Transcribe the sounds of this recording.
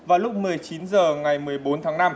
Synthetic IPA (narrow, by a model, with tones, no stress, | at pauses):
vaː˨˩wlʊ˦˥k͡p̚mɨ˨˩əjt͡ɕi˨˦nzəː˨˩ŋa˨˩jmɨ˨˩əjɓo˨˦nt̪ʰaː˨˦ŋna˧m